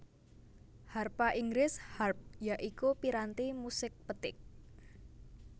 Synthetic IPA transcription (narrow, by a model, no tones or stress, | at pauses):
harpaʔiŋɡɾɪsharp̚jaʔikupiɾant̪imusɪk̚pət̪ɪk̚